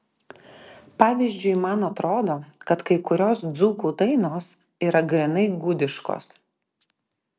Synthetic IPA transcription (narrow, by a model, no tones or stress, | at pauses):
pɑːʋʲiːzʲd͡ʒʲʊɪmɐnɐt̪ɾoːd̪oːkɐt̪kɐɪkʊɾʲoːsd̪zuːkuːd̪ɐɪnoːs | iːɾɐɡɾʲɛnɐɪɡʊd̪ʲɪʃko̰ːs